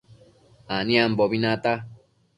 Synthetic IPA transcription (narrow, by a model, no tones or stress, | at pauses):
anĩamboβinãt̪a